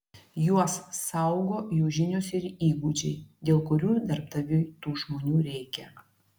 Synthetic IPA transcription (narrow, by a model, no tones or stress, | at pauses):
juɔsːɐʊɡoːjuːʒʲɪnʲoːsɪɾiːɡuːd͡ʒʲɛɪd̪ʲeːlˠkʊɾʲuːd̪ɐɾp̚t̪ɐʋʲʊt̪uːʒmoːnʲuːɾʲɛɪkʲɛ